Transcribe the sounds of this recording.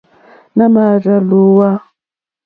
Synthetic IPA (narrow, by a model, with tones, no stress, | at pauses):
na˦ma˨ɾa˨lu˨˦wa˦